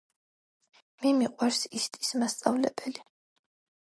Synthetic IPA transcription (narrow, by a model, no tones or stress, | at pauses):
mimiqʼwaɾsist̪ʼi̥smast̪sʼavlɛ̰bɛli